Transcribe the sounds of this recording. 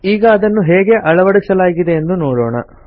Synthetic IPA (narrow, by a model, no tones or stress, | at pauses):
iːɡɐːd̪ɐnːuɦeːɡe̞ʔɐɭɐʋɐɽisɐlaːɡid̪e̞ːnd̪unoːɽoːɳɐ̰